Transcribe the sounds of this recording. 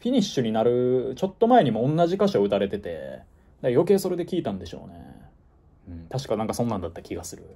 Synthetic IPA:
ɸʲiɲ̟iɕːɨɲ̟inaɾɯ̟t͡ɕo̞t̪ːo̞mae̞ɲ̟imo̞õnːaʑikaɕoɯ̟t̪aɾe̞t̪e̞t̪e̞̰ | d̪ajo̞ke̞ːso̞ɾe̞d̪e̞kʲiːt̪ãnd̪e̞ɕo̞̰ːnḛ | ɯ̟̃ɴt̪aɕi̥kanãŋkasõ̞nːãnd̪at̪ːakʲiɡasɨɾɯ̟̰

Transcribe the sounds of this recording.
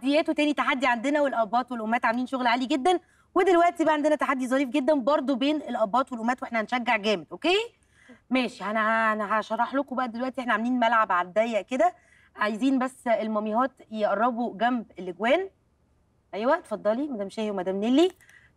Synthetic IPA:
d̪ejæːt̪owt̪æːnit̪aħad̪ːiʕand̪enæwelʔæbːɑːt̪welʔomːæːt̪ʕameliːnʃoɣlʕaːliɡed̪ːæn | wed̪elwæʔt̪ibæʔæʕand̪enæt̪aħad̪ːizˤɑɾiːfɡed̪ːænbɑɾˤd̪ˤobeːnelʔæbːɑːt̪welʔomːæːt̪weeħnæhænʃæɡːeʕɡæːmed̪ʔokeː | mæːʃiʔænæænæhæʃɑrˤːɑħlokobæʔæd̪elwæʔt̪iʔeħnæʕameliːnmælʕabʕalæd̪æjːæʔked̪æ | ʕajziːnbæsːelmɑmihɑːt̪jeʔɑrˤːɑboɡæmbelːeɡwæːn | ʔæjːwæʔt̪ːfɑd̪ˤːɑlimæd̪æːmeʃæːhewmæd̪æːmnelːi

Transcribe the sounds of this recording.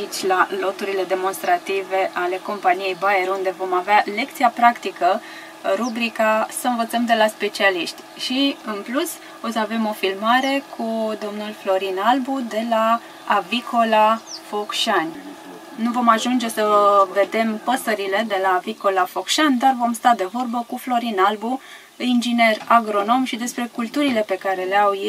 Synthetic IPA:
it͡ʃʲlalo̞t̪uɾile̞d̪e̞mo̞nst̪ɾat̪ive̞ʔale̞ko̞mpanije̞jbaeɾund̪e̞vo̞maveale̞kt̪siapɾakt̪ikə | ɾubɾikasəɨnvət̪səmd̪elaspe̞t͡ʃialiʃt̪ʲ | ʃiɨnplus | o̞səave̞mo̞filmaɾe̞kʰud̪o̞mnulflo̞ɾinalbud̪e̞laː | vikʰo̞lafo̞kʃan | nuvo̞maʒund͡ʒe̞səve̞d̪e̞mpəsəɾile̞d̪e̞laviko̞lafo̞kʃand̪arvo̞mst̪ad̪e̞vo̞rbəkuflo̞ɾinalbu | ind͡ʒine̞raɡɾo̞no̞mʃid̪e̞spɾe̞kult̪uɾile̞pe̞kaɾe̞leawje

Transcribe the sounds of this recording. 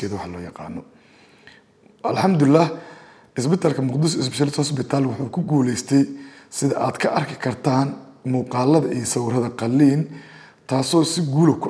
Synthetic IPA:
ɛːðwɑħɑlɔːjɑqɑ̰ːnɔ | ʔɐlħɑmd̪ʊɪlːah | ɪsbɪt̪ʰaːlkʰɐmʊqd̪ɪs̬ɪs̬bɪʃːlɪt̪ʰhɐs̬bɪt̪ʰaːlwɑħuːkʰʊɡuːlɛjst̪ʰɛjsɪðɐʔaːd̪kʰɐʔɐrkʰɪkʰɐrt̪ʰaːnmuːqɑːlɐðɐʔijɐsɐwʊɾɐðɐqɑlːiːn | t̪ʰaːsɔːsɪɡuːlɔkʰʊ

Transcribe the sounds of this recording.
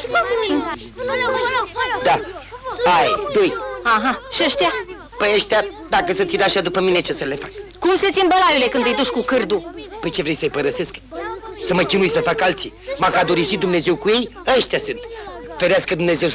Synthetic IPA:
d̪a | aed̪ojaɦaʃiəʃt̪ea | pəjəʃt̪ea | d̪akəsət̪sʲid̪eaʃad̪upəmine̞t͡ʃe̞səle̞fakkumset̪sinbəlajile̞kɨnd̪ɨjd̪uʃkukɨrd̪upəjt͡ʃe̞vɾe̞jsəjpəɾəse̞sksəməkʲinujsəfakalt̪simakad̪oɾisid̪umne̞ze̞wkuje̞jəʃt̪jasɨnt̪feɾeaskəd̪umne̞ze̞w

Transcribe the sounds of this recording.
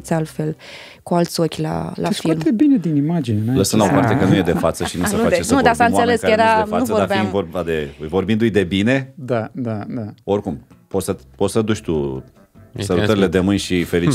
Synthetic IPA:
t̪salt̪fe̞l | kualt̪sʲokʲla̰lʔafilmd̪ebined̪inimad͡ʒineləsənlaopart̪e̞kənujed̪e̞fat̪səʃinusenuad̪eenud̪asaɨnseleskəjeɾafanusəvoɾabiivorbad̪e̞ujvo̞ɾrbind̪ujd̪e̞bine̞d̪ad̪ad̪ao̞rkumpot̪səpo̞t̪səd̪uʃt̪u | səlut̪əɾile̞d̪e̞mɨnʲʃifelit͡ʃ

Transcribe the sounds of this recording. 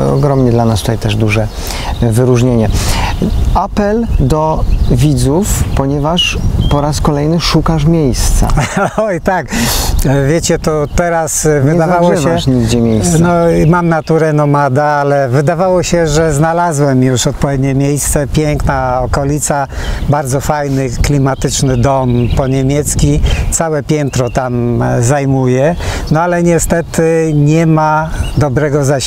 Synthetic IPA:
ɔ̰ɡɾɔmɲɛd̪lanast̪u̥t̪ajt̪ɛʐd̪uʐɛ | vɘɾuʐɲeɲɛ | apɛld̪ɔvʲid̪zufpɔɲɛvaʂpɔɾaskɔlɛjnɘʂukaʂmʲjejst̪sa̰ɔjt̪ak | vʲjet͡ɕɛt̪ɔt̪ɛɾasvɨd̪avawɔɕvɛʂɲiɡd͡ʑɛmʲjejssnɔmamnat̪uɾɛnɔmad̪aalɛvɘd̪avawɔɕɛʐɛznalazwɛmjuʂɔt̪̚pɔvʲjed̪ɲɛmʲjejst̪sɛpʲjɛŋknaɔkɔlʲit̪sa | baɾd̪zɔfajnɘklʲimat̪ɘt͡ʂnɘd̪ɔmpɔɲemʲjɛt̪skʲit̪sawɛpʲjɛnt̪ɾɔt̪amzajmujɛ | nɔalɛɲɛst̪ɛt̪ɘɲɛmad̪ɔbɾɛɡɔza

